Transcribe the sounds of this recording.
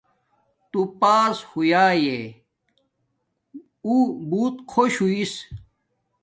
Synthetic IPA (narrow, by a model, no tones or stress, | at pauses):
t̪upaːshujaːje | ubuːt̪kʰoɕuis